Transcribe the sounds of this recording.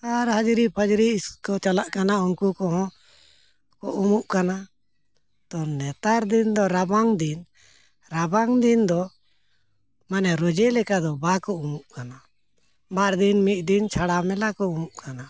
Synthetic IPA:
t̪aɾɦəd͡ʒɾipʰəd͡ʒɾiskɔt͡ʃalaʔkanaunkukɔɦɔ̃ | kɔʔumuʔkana | t̪ɔnɛt̪aɾd̪ind̪ɔɾabaŋd̪in | ɾabaŋd̪ind̪ɔ | manɛɾɔd͡ʒɛlɛkad̪ɔbakɔumuʔkana | baɾd̪inmit̪̚ˀd̪int͡ʃʰaɽamɛlakɔumuʔkʰana

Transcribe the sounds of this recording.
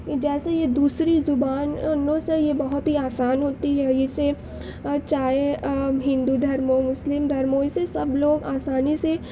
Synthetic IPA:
kd͡ʒɛːsejed̪uːsɾizʊbaːnnõsejebɐɦʊt̪ɦiaːsaːnɦoːt̪iɦɛɪse | t͡ʃaːeɦɪ̃nd̪ud̪ʱɐɾmomʊslɪmd̪ʱɐɾmoɪsesɐbloːɡaːsaːnise

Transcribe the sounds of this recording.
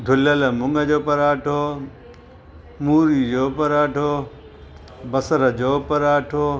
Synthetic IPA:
d̪ʱʊlələmʊŋɡəd͡ʑoːpɐɾaːʈʰoː | muːɾid͡ʑoːpɐɾaːʈʰoː | bɐsəɾəd͡ʑoːpɐɾaːʈʰoː

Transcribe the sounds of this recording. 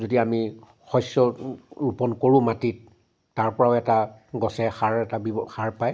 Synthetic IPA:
zodiami | xɔjsjɔɹupɔnkoɹʊ̃matitː | aɹpɔɹaʊɛtaɡɔsɛxaɹɛtabixaɹpaj

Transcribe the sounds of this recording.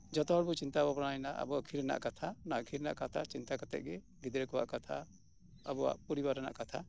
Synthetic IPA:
d͡ʒɔt̪ɔɔɽbut͡ʃint̪abɔbɾanajnaʔə̰bɔakʰiɾɛna̰ʔkat̪ʰanaʔkʰiɾɛna̰ʔkat̪ʰat͡ʃint̪akat̪ɛ̰ʔ̪̚ɡɛ | ɡid̪ɾɛkɔwa̰ʔkat̪ʰa̰ | ə̰bɔwa̰ʔpɔɾibaɾɛna̰ʔkat̪ʰa

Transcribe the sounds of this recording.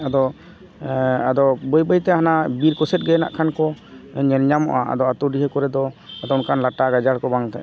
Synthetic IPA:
ad̪ɔ | ad̪ɔbəjbəjt̪ɛhanabiɾkɔsɛt̪̚ɡɛna̰ʔkʰankɔɲɛlɲamɔ̰ʔaʔa̰d̪ɔat̪uɖiɦəkɔɾɛd̪ɔad̪ɔunkʰanlaʈaɡad͡ʒaɽkɔbaŋt̪ɛ̰ʔ

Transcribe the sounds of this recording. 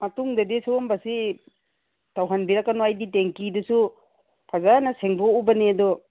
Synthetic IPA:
mɐtuŋdɐdisumbɐsi | tawɦanbiɾakːanoajditeŋkidɐsu | pʰazanɐseŋboubɐneɐdɔ

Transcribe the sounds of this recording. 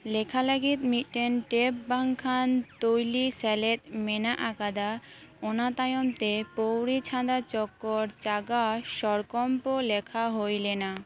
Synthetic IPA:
lekʰalaɡit̪miʈːenʈepbaŋkʰant̪ojlisɛlet̪menaʔakad̪a | onat̪ajomt̪epowɾit͡ɕʰãd̪at͡ɕɔkːoɾt͡ɕaɡaʃɔɾkɔmpolekʰaɦojlena

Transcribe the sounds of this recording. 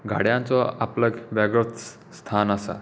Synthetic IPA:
ɡʱa̰ɽjãnt͡sɔapləɡʋaɡɾət̪ | st̪ʰanasa̰

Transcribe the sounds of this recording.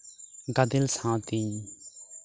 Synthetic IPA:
ɡɐd̪ɪlsãːt̪ĩ

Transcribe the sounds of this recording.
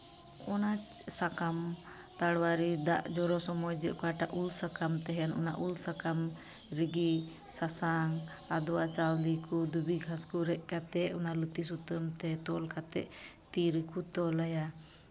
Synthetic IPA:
ɔna | sakam | t̪aɽwaɾid̪aʔd͡ʒɔɾɔsɔmɔjd͡ʒəʔkɔaʈaʔulsakamt̪ɛɦɛanɔ̰na̰ʔulsakam | ɾiɡi | sasaŋ | ad̪ɔwat͡ʃawlikud̪ubiɡʱaskuɾɛʔkat̪ɛʔɔnalət̪is̬ut̪əmt̪ɛt̪ɔlkat̪ɛ̰ʔt̪iɾəkut̪ɔlaja

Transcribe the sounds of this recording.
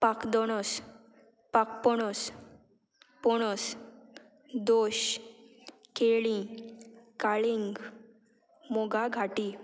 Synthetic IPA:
pakd̪ɔɽ̃ɔs | pak̚pɔɽ̃ɔs | pɔɽ̃ɔs | d̪oɕ | keɭĩ | kaɭiŋɡ | mɔɡaɡʱaʈi

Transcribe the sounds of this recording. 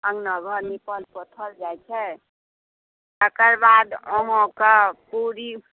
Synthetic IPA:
ə̃ŋɡnəɡʱɔɾnipəlpɔt̪ʰəld͡ʒajt͡ʃʰɛ | t̪əkəɾbad̪ɔ̃ɦɔ̃kəpuɾi

